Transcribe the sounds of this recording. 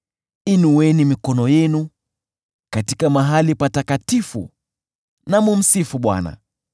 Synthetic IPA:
inuwɛnimikɔnɔjɛnu | katikamaɦalipatakatifṵ | namum̩sifuɓwa̰na̰

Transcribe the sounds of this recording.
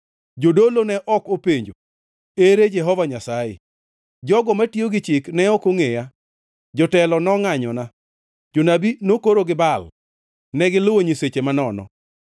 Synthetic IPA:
d͡ʒodolonɛʔɔkopeɲd͡ʒo | eɾed͡ʒɛɦɔvaɲasajḛ | d͡ʒɔɡɔmatioɡɪt͡ʃɪknɛɔkoŋeja | d͡ʒɔtɛlɔnɔŋaɲɔna | d͡ʒonabinokoɾoɡɪbal | nɛɡɪloɲiset͡ʃemanɔnɔ̰

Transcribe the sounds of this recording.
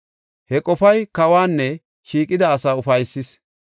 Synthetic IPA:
hɛkʼɔfɐjkɐwaːnːɛ | ʃiːkʼɪd̪ɐːsaːʊfɐjsːɪs

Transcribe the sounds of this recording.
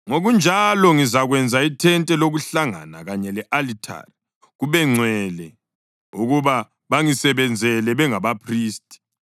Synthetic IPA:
ŋoɣund͡ʒʱalɔŋizaɣwɛnd͡zʱaitʰɛntʼɛloɣuɬaŋa̰na̰ɣaɲɛlɛʔalitʰa̰ri | ɣuβɛŋ͡ǀʱwɛlɛ | uɣuβa | βaŋisɛβɛnd͡zʱɛlɛβɛŋaβapʰriːstʼi̥

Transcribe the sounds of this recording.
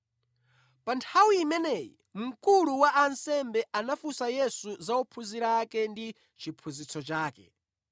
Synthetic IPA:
pantʰawiːmɛnɛːjḭ | m̩kuluwaʔansɛmbɛʔanafusajɛsuzaɔpʰuziɾakɛndi | t͡ʃʰipʰuzit͡sʰɔt͡ʃaːkɛ̰

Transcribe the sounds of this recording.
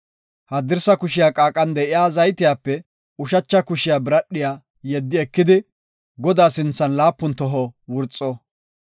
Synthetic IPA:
hɐd̪ɪɾsɐkʊʃɪjaːkʼaːkʼɐnd̪ɛʔɪjaːzɐjt̪ɪjaːpːɛ | ʊʃɐt͡ʃːɐkʊʃɪjaːbɪɾɐɗːɪjaː | jɛd̪ːɪɛkːɪd̪ɪ | ɡɔd̪aːsɪnt͡sːɐnlaːpːʊnt̪ɔɦɔwʊɾt͡sʼːɔ

